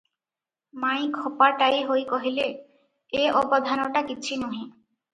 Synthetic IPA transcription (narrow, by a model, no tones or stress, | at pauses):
maj̃kʰɔpaɾʈajɦojkoɦile | eʔɔbɔd̪ʱanoʈakiːt͡ɕʰinuɦẽ